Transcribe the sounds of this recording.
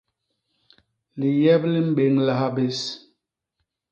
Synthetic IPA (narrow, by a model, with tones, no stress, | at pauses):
li˨jɛ˦bli˦m̩˦ɓe˨˦ŋla˦ha˦be˦s